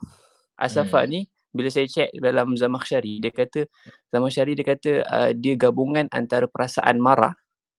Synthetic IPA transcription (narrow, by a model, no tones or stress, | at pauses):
ʔa̰safa̰ʔni | biləsajət͡ʃɛʔ̚dalamzamaχʃaɾidiəkat̪ə | z̥amahʃaɾidiəkat̪əə̰diəɡabuŋana̰nt̪aɾəpəɾasa̰ʔa̰nmaɾa̰